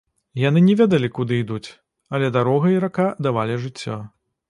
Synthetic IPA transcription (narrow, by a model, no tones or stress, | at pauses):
jan̪ɨnʲɛvʲed̪ɐlʲikud̪ɨid̪ut͡sʲ | ɐlʲɛd̪aɾɔɣɐiɾakad̪avalʲiʐɨt͡sʲːɔ̰